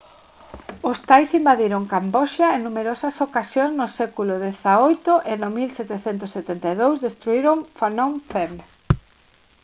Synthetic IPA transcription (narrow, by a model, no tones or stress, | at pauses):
ʊst̪ajsimbaðiɾoŋkambɔʃɐeŋnːumeɾɔsɐsokasjoŋznʊsɛkulʊðeθaojt̪ʊʔɪnomilsɛt̪eθent̪ʊsːet̪ɛnt̪eðowzðest̪ɾuiɾoŋfanoŋfem